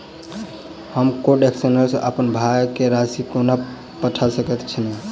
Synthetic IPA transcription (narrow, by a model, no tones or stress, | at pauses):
həmkoɾɖeksənəɾsə̃ʔəpənbʱajkeɾasikona | pəʈʰasəkɛt̪t͡ʃʰinɛ